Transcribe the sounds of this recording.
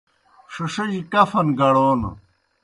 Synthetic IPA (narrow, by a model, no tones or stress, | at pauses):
ʂoʂɐd͡ʑikɐfɐnɡɐɽoːn̰